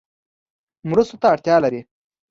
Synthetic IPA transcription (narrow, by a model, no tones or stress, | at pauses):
mɾust̪ot̪aːɽt̪jɑːlaɾi